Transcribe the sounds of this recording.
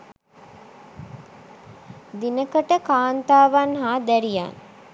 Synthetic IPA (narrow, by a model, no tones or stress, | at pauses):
d̪inəkəʈəkaːnt̪aːʋanɦaːd̪æɾija̰n